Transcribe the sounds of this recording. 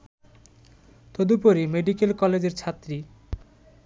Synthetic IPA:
t̪od̪upoɾimeɖikelkɔled͡ʑeɾt͡ɕʰat̪ɾi

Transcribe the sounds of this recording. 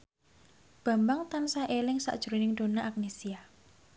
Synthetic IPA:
b̥a̤mbaŋt̪ansaʔelɪŋsa̰ʔd̥ʒ̥uɾinɪŋd̪̥o̤naʔak̚nesia

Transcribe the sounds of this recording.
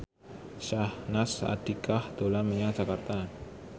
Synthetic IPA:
ʃahnasa̰d̥ikahd̪̥olaməɲḁd͡ʒakart̪a

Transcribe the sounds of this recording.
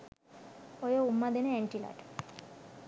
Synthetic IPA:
ojoumːad̪eneɛɳʈila̰ʈ

